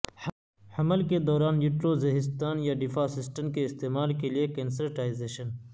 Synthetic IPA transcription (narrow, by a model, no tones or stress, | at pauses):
hɐməlked̪ɔːɾaːnjuʈɾoːzeɦɪs̬t̪aːnjaːɖɪfaːsɪsʈəmkeɪst̪eːmaːlkeliekeːns̬əɾʈaːizeːʃən